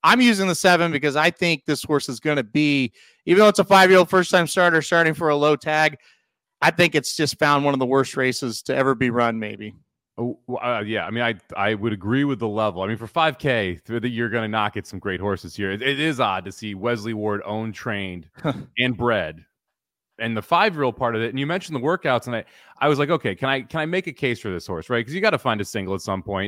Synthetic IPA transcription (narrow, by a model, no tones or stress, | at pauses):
ãɪ̃mjʉzɪ̃ŋðɨsɛvɨ̃nbɨkʌzaɪθɪ̃ŋk̚ðɪshɔɹsɨzɡʌnɨbi | ivɨ̃nðoʊətsəfaɪvjəɹolˠd̥fɜ˞stʰãɪ̃mstɑɹɾə˞stɑɹɾɪ̃ŋfə˞əloʊtʰæɡ | aɪθɪ̃ŋkɨtsd̥ʒ̥ʌstfãʊ̃nd̚wʌ̃nʌvðəwɜ˞st̚ɹeɪsɨz̥tʰɨɛvə˞biɹʌ̃nmeɪbi | jæaɪmĩnaɪa̰ɪwɨɾɨɡɹiwɨðəlɛvl̩ˠaɪmĩnfə˞faɪv̥kʰeɪ˞ðɨt͡ʃə˞ɡʌnɨnɑkɨtsʌ̃mɡɹeɪt̚hɔɹsɨz̥hiɹɨɪɾɪzɑd̚tɨsiwɛzliwɔɹɾõ̰ʊ̃ntʰɹ̥ẽɪ̃ndɨ̃nbɹɛd | ɨ̃nðɨfaɪvɹil̩ˠpʰɑɹɾʌvɨt̚n̩jɨmɛ̃nʃn̩ðəwɜ˞kaʊtsə̃naɪ | ʔaɪwʌzlaɪk̬oʊkʰeɪkʰɨ̃ñaɪkʰɨ̃ñaɪmeɪkɨkʰeɪsfə˞ðɪshɔɹsɹaɪt̚kʰʌzjɨɡɑɾɨfãɪ̃ndɨsɪ̃ŋɡl̩ˠətsʌ̃mpʰɔ̃ɪ̃nt